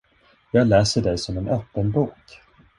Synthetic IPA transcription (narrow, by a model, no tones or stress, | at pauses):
jɑːɡlɛːsəɖɛjsɔmɛnʔœpːənbuːk